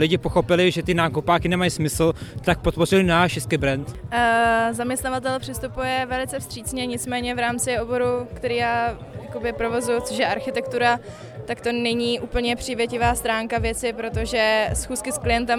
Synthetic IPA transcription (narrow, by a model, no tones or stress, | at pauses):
lɪɟɪpo̞xo̞pɪlɪʒɛt̪ɪnaːkupaːkɪnɛmajsmɪsl̩t̪ak̚pot̪̚po̞rɪlɪnaːʃɪskɪbɾɛnt̪ː | zamɲɛst̪navat̪̬ɛlpr̥ɪst̪upujɛvɛlɪt͡sɛfst̪r̥iːt͡sɲɛɲɪt͡smɛːɲɛvɾaːmt͡sɪo̞bo̞ɾukt̪ɛɾiːjaːjako̞bɪpɾo̞vo̞zʊjʊt͡soʃjɛʔaɾxɪt̪ɛkt̪uɾa | t̪akt̪o̞nɛɲiːʔuːpl̩ɲɛpr̝̥iːvjɛcɪvaːst̪ɾaːŋkavjɛt͡sɪpɾo̞t̪o̞ʒɛsxuːskɪsklɪjɛnt̪ɛm